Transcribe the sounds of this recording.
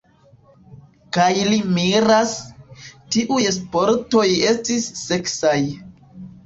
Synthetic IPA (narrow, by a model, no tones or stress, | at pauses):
kajlimiɾas | tiʔujespo̞ɾto̞je̞stisːe̞ksaj